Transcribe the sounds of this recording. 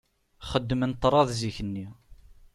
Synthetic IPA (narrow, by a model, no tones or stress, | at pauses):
χəd̪ːmənt̪ˤːɾˤɑðˤziçənːi